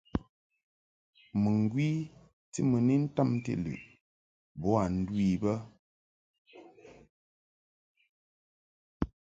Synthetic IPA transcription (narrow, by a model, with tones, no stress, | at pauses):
mɨ˨ŋ˨ɡwi˦ | tḭ˦mɨ˨ni˦n̩˦ta˦˨mtḭ˦lʉ̰˨ʔ | bɔ˦a˨n̩˦dwi˦˨bə˦